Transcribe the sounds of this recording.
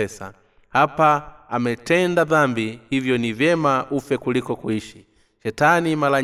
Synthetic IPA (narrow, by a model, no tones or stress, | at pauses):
ɛsa̰ | hapaamɛtɛndaðambihivjɔnivjɛmaʔufɛkulikɔkuiʃi | ʃɛtanimala